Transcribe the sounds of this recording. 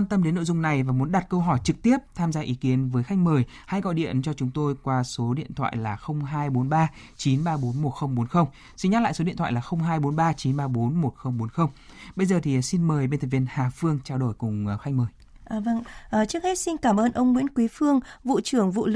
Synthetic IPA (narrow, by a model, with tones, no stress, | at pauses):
a˧nt̪ə˧mɗe˨˦nːo̰˧˨zʊ˧ŋ͡mna˨˩jvaː˨˩mu˨˦ənɗa˨˩t̚kə˧wɦɔ˧˩jt͡ɕɨ˨˩k̚t̪i˦˥əp̚t̪ʰaː˧mzaː˧ʔi˨˦ki˨˦ənvəː˨˦jxa˦˥jk̟̚məː˨˩j | ha˧jkɔ̰˧˨ɗḭ˧˨ənt͡ɕɔ˧t͡ɕʊ˨˦ŋ͡mt̪o˧jkwaː˧so˨˦ɗḭ˧˨ənt̪ʰwa̰ː˧˨jlaː˨˩xə˧wŋ͡mɦaː˧jɓo˨˦nɓaː˧ | t͡ɕi˨˦nɓaː˧ɓo˨˦nmo˨˩t̚xə˧wŋ͡mɓo˨˦nxə˧wŋ͡m | si˧nɲa˦˥la̰ː˧˨jso˨˦ḭ˧˨nt̪ʰw̰aː˧˨laː˨˩xə˧wŋ͡mɦaː˧jɓo˨˦nɓaː˧t͡ɕi˨˦nɓaː˧ɓo˨˦nmo˨˩t̚xə˧wŋ͡mɓo˨˦nxə˧wŋ͡m | ɓə˧jzəː˨˩t̪ʰi˨˩si˧nməː˨˩jɓe˧nt̪ʰːvi˧ənhaː˨˩fɨ˧əŋt͡ɕaː˧wɗo˧˩jkʊ˨˩ŋ͡mxa˦jk̟̚məː˨˩j | ʔaː˨˩və˧ŋʔəː˨˩t͡ɕɨ˦˥ək̚he˦˥t̚si˧nkaː˧˩mʔəː˧nʔə˧wŋ͡mŋwḭ˧˥ənkwi˨˦fɨ˧əŋvṵ˧˨t͡ɕɨ˧˩əŋvṵ˧˨l